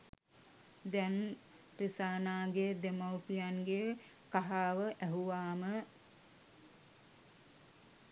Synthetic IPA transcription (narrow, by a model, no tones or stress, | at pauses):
d̪ɛn | risaːnaːɡed̪emawpijanɡe | kaɦaːʋəʔæɦuʋaːmə